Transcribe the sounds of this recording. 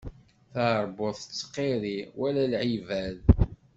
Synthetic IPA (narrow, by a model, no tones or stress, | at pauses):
θəʕəɾˤboðˤθə̥t͡sːqːeɾiwælælʕivæð